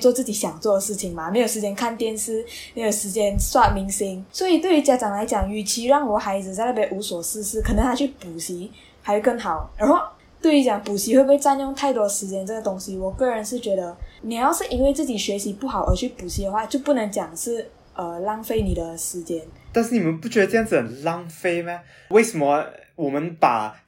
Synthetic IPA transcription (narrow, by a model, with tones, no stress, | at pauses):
t͡swɔ˥˧t͡sɹ̩˥˩t͡ɕi˨˥ɕjɑ˨˩ŋt͡swɔ˥˩d̪ə˩ʂɻ̩˥˩t͡ɕʰi˨˩ŋma˨me˧˥ɪjo˨˩ʂ̩ɻ̩˧t͡ɕjɛ˥nkʰa˥˩nt̪jɛ˥nsɹ̩˥ | me˧˥jo˨˩ʂɻ̩˧˥t͡ɕjɛ˥nswa˥˩mi˧˥ŋsi˧˥ŋswɔ˧˥i˨˩t̪we˥˩ɪy˧˥t͡ɕja˧˥˩ʈ͡ʂɑ˨˩ŋla˧˥ɪt͡ɕjɑ˨˩ŋy˨˩t͡ɕʰi˧˥ɻɑ˥˩ŋwɔ˨˩xa˧˥ɪd͡zɹ̩˨t͡sa˥˧ɪt̪a˥˩pjɛ˧˥ʔu˧˥swɔ˨˩sɹ̩˥˧s̩˥˩kʰə˨˩nə˧˦ŋt̪ʰa˥t͡ɕʰy˥˩pu˨˩ɕi˧˥ | xa˧˥ɪ˧˥kə˥˩ŋxɑ˨˩˦ʊna˧˥xo˥˩ʊ | t̪we˥˩ɪy˧˥t͡ɕjɑ˨˩ŋpu˨˩ɕi˧˥we˥˧ɪpwe˥˧ɪt͡sa˥˧njʊ˥˧ŋt̪ʰa˥˩ɪt̪wɔ˥˧ʂɻ̩˧˥t͡ɕjɛ˥nʈ͡ʂə˥˩ɡə˩t̪ʊ˥ŋɕi˧wɔ˨˩kɤ˥˩ɻə˧˦nʂɻ̩˥˩t͡ɕɥɛ˧˥d̪ə˧ni˨˩jɑ˥˧ʊʂɻ̩˥˩˨ʔi˥nwe˥˧ɪt͡sɹ̩˥˩t͡ɕi˨˩ɕɥɛ˧˥ɕi˧˥pu˥˩xɑ˨˩˦ʊʔə̰˞˧˥t͡ɕʰy˥˩pu˨˩ɕi˧˥d̪ə˧xwa˥˩t͡ɕjo˥˧ʊpu˥˩nə˧˥ŋt͡ɕjɑ˨˩ŋʂɻ̩˥˩ | ʔə˩lɑ˥ŋfe˥ɪni˨˩d̪ə˦ʂɻ̩˧˥t͡ɕjɛ˥nt̪a˥˧nʂɻ̩˥˩ni˨˩mə˦npu˥˩t͡ɕɥɛ˧˥ə˧ʈ͡ʂɤ˥jŋd͡zɹ̩˨˩ə˨˩nlɑ˥ŋfe˥ɪma˨˧ | we˥˩ɪsə˨˩mə˧˦wɔ˨˩mə˨˦npa̰˨˩